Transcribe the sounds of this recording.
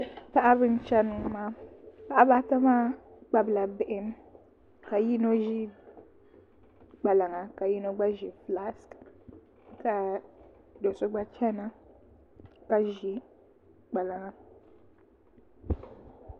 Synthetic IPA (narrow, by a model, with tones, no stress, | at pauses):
pa˦ʔa˦βɨ˦n̩˦t͡ʃɛ˦nɨ˨ŋ˦maː˦pa˦ʔa˦ba˦ta˦maː˦ | ɡ͡ba˦bɨ˨la˨bɪ˨ʔɪ˦m˦ | ka˨ji˦no˦ʒi˦ | ɡ͡ba˨la˨ŋa˨ka˨ji˦no˦ɡ͡ba˦ʒi˨fla˦sk | ka˨ | do˨so˦ɡ͡ba˦t͡ʃɛ˦na˦ | ka˨ʒi˨ | ɡ͡ba˨la˨ŋa˨